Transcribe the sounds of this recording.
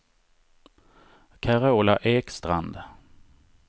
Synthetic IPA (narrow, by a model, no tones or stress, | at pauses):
kʰaɾaoːlaʔeːkst̪ɾa̰nd̪